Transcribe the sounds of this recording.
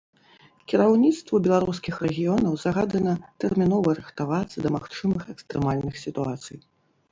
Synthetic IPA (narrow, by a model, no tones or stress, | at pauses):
kʲiɾawnʲit̪st̪vɐbʲɛlˠaɾuskʲixɾɛɣʲijɔnɐwzaɣad̪ɐnɐt̪ɛrmʲinɔvɐɾɨxt̪avat̪sːɐd̪ɐmaxt͡ʂɨmɨxɛkst̪ɾɛmalʲnɨxsʲit̪uat̪sɨ̰j